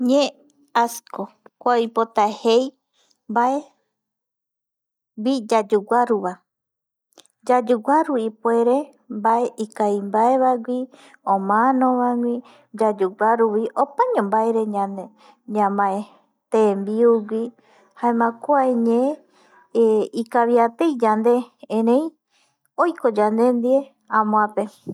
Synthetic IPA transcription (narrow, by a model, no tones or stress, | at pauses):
ɲẽ | asko | kʷajpot̪ahej | mbae | wid͡ʒad͡ʒuɡʷaɾuβa | d͡ʒad͡ʒuɡaɾuipwe̞ɾe | mbaeʔikaimbaeβaɡʷi | õmãnõʋaŋʷĩ | d͡ʒad͡ʒuɡʷaɾuwiʔopaɲõmbaeɾeɲãne | ɲãmãe | t̪embiuɡʷi | haemãkoaeɲẽ | ikaβiat̪ejd͡ʒand̪eẽɾẽĩ | ojkod͡ʒand̪e̞nd̪ie | ãmõãpe